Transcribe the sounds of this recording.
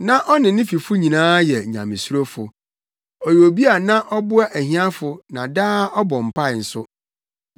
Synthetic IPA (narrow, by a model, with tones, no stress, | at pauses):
nã˦ʔɔ˦nɪ̃˨nɪ̃˦fi˨fʊ˦ɲĩ˨nãː˦jɛ˨ɲã̰˨mɪ̃˨su˦ɾo˦fʊ˨ | ɔ˨jo˨bi˦a˨nã˦ʔɔ˦bʊ˦a˦ʔæ˨ɦĩ˦a˦fʊ˨nã˨daː˦ɔ˦bɔ˨m̩˨pʰa˦˨n̩˨sʊ˦